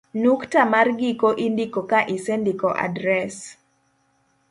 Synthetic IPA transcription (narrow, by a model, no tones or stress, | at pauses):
nuktamarɡikoʔindikokaʔɪsɛndikɔʔa̰dɾɛs